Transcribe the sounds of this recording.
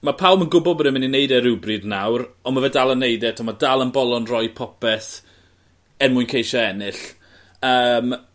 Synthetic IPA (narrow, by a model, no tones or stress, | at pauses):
mapʰawlˠmənɡʊbɔbəɾɪmɪninejdɛɾɪwbrɨdnawɾɔnmavɛdalˠənːejdɛtʰɔmadalˠənbɔlˠɔnrɔjpʰɔpɛθ | ɛnmʊɨnkʰejʃɔɛnɪɬ | əːm